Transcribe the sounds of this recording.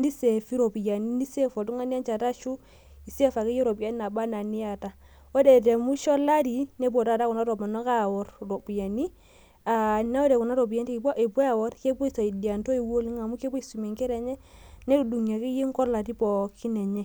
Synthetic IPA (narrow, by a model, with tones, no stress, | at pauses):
ndi˦se˨fi˦ɾo˨pi˨ja˨ni˦ni˦se˦fo˨tu˦ŋa˦ni˦a˦nt͡ʃa˨ta˦ʃu˦ | i˨se˦fa˨ki˦je˦ɾo˨pu˨ja˦ni˦na˨ba˦na˨ni˦ja˨ta˨ | o˦de˨te˨mu˦ʃɔ˦la˦ti˨ne˦b̬o˨ta˦˨ta˦ku˨na˦ɾo˨ma˨nɔ˦ka˦˨wɔ˦ɾɾo˨pi˨ja˨ni˦ | a˨ne˦ɔ˦ɾe˨ku˨na˦ɾo˨p̬i˨ja˦nti˦˨˦ʔe˨bwa˦a˨wɔ˦ɾke˦bɔ˦i˨sa˨i˨di˨a˨nto˦i˨wo˦li˦ŋa˨mu˦ke˦pu˦i˨˦su˨me˨ŋke˦ɾe˨ɲɛ˦ne˦u˨du˨ŋja˨ki˦ji˦ŋ˦kɔ˦ɾla˨ti˦pɔ˨kʰi˦ne˨ɲɛ˦